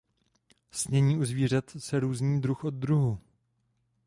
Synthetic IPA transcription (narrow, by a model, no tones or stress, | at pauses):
sɲɛɲiːʔuzviːr̝at̪sɛɾuːzɲiːd̪ɾuxʔod̪̚d̪ɾuɦu